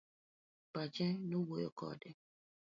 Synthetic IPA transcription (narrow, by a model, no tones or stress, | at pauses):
pat͡ʃɛnowojokɔ̰dɛ